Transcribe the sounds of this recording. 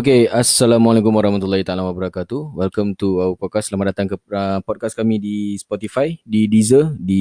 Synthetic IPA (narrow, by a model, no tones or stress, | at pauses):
okeasːalamalekumwaɾɑhmat̪ulːhit̪aalawabəɾakat̪uwɛlkamt̪uaupɔkaslamaʔdat̪aŋkəəpɔd̚kaskamĩdispɔt̪ifajdidizədi